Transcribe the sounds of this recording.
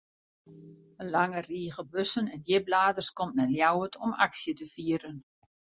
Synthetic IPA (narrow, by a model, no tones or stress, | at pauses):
əlaŋəriːəɣəbøsənɛndjɪblaːdərskɔmtnɛljawətʰɔma̰ksjətəfiːəɾən